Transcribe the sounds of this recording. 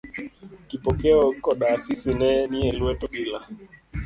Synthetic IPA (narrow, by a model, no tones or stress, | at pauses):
kipɔkɛɔkɔɗasisɪnɛniɛlwɛtoɓila